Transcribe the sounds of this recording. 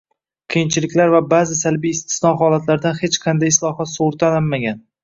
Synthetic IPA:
qʰijɪnt͡ʃʰɪlɪkʲlaɾvabazɪsalbijːst̪ʰɪ̥snɒɦɒlat̪laɾd̪anhet͡ʃqʰɑnd̪ajɪslˠɒhɒt̪soɾt̪ʰananmaɡʲan

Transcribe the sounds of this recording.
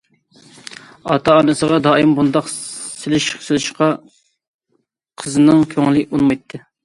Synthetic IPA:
ɑt̪ʰɑːnɨsəʁɑd̪ɑːimbund̪ɑqsɪlɪʃsɪlɪʃqɑ | qʰəzɨnɨŋkʲʰøŋlɪunmɑjt̪ʰːɨ

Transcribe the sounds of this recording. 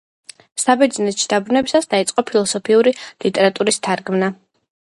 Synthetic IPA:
sabɛd̪znɛt̪ʃid̪abɾunɛbisasd̪ait̪sʼqʼɔpʰilˠɔsɔpʰiuɾilit̪ʼɛɾat̪ʼuɾist̪ʰaɾɡmna

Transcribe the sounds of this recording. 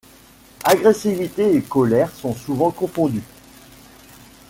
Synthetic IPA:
aɡʁɛsivit̪eekɔlɛʁsɔ̃suvɑ̃kɔ̃fɔ̃d̪y

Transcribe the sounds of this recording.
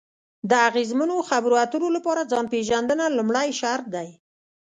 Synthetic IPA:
d̪əaɣezmanoxabɾoat̪ənolapɑɾad͡zɑnpeʒand̪ənalumɽajʃaɾt̪̚d̪aj

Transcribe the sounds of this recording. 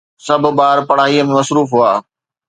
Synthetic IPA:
sɐbʱʊbaːɾpɐɽ̤aːɦiəmẽmɐsɾuːfɦuaː

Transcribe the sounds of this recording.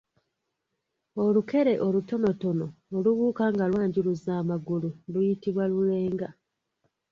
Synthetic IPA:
o̞luke̞ɾe̞ʔoluto̞no̞to̞no̞ːluβuːkaŋɡalwaːɲɟiluzaːmaɡululujitiβwalule̞ːŋɡa

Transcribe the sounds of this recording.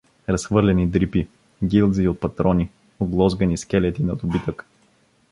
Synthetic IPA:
ɾɐsxvɤɾlɛnid̪ɾipi | ɡʲilˠziot̪̚pɐt̪ɾɔni | oɡlˠɔzɡɐniskɛlɛt̪inɐd̪ʊbit̪ək

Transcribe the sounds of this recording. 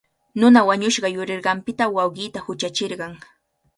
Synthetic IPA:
nʊnawaɲʊʃɢɑjʊɾeɾɢɑmpɪt̪awɑwɢɪːt̪ahʊt͡ʃat͡ʃeɾɢɑŋ

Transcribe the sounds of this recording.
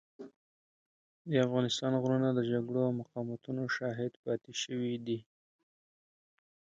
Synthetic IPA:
d̪əafɣɑnɪst̪ɑnɣɾunad̪əd͡ʒaɡɽoawmaqɑmat̪unoʃɑɦɪd̪pɑt̪eʃəwid̪i

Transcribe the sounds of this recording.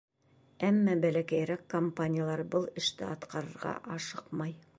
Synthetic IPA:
æmːæbælækæjɾækːompanʲɪjalˠɑɾbɤlˠɘ̆ʃt̪ɘɑt̪qɑɾɤ̆ɾʁɑ̰ʔɑʃɤqmɑj

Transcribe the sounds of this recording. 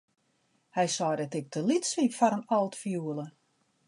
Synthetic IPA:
hɛjsɔːdɛtɪk̚tʰəlitsifaɾənɔlˠtfjuəlˠə

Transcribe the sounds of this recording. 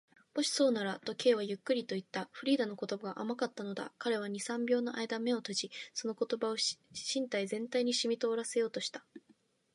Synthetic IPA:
b̥o̞ɕi̥so̞ːnaɾat̪o̞kʲe̞ːβ̞ajɯ̟kːɯ̟ɾʲit̪o̞it̪ːaɸɯ̟ɾʲiːd̪ano̞ko̞t̪o̞baɡaʔamakat̪ːano̞d̪a̰kaɾe̞β̞aɲ̟isãmbʲo̞ːno̞ʔaid̪ame̞o̞t̪o̞ʑiso̞noko̞t̪o̞bao̞ɕĩnt̪aizẽ̞nt̪aiɲ̟iɕimʲit̪o̞ːɾase̞jo̞ːt̪o̞ɕi̥t̪ḁ

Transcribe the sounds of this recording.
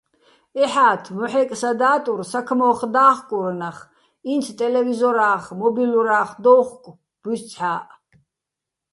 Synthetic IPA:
ɛħaːt̪ʰmɔħɛkʼsad̪aːt̪ʼuɾsakʰmɔːχd̪aːχkʼuɾnaχ | int̪ʰt̪ʼɛlɛvizɔɾaːχmɔbiluɾaːχd̪ɔwχkʷʼ | b̥ussʰħaːʔ

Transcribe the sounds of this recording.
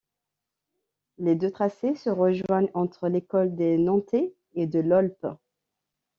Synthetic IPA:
led̪øt̪χasesəʁəʒwaɲɑ̃t̪χəlekɔld̪enɑ̃t̪eː | d̪əlɔlp

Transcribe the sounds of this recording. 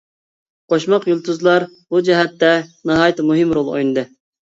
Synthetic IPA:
qʰoʃmɑqjulˠt̪ʰuzlˠɑɾ | bud͡ʒɛɦɛt̪ːɛnɑɦɑːjt̪ɨmuɦɪmɾolˠo̰jnɨd̪ɨ

